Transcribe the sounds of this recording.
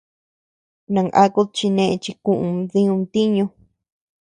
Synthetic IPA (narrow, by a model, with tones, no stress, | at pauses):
nã˨ŋʔa˦ku˦t͡ʃi˧nẽ˧ʔt͡ʃi˧kũ˧ʔũ˧ðĩ˦ũ˧t̪i˦ɲũ˧